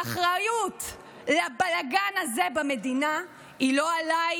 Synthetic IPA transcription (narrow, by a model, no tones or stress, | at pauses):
aχʁajut | labalaɡanazebame̞d̪ina | ilo̞alaj